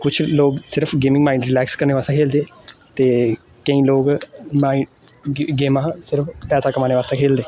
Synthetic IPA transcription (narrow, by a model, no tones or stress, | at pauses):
kʊt͡ʃʰloːksɪɾəpʰɡeːmɪ̃ŋmaːiːɳɖɾɪlɛːkskəɾneːʋaːst̪ẽːkʰeːld̪eːt̪eː | kəĩːloːɡmaːi | ɡeːmãːsɪɾəpʰpɛːsaːkəmaːneːʋaːst̪ãːkʰeːld̪eː